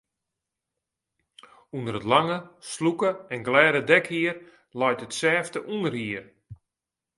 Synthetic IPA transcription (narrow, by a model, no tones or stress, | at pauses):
undəɾətlaŋəslukəɛnɡlɛːɾədɛkhiər | lɔjtətsɛːftəʔunərhiər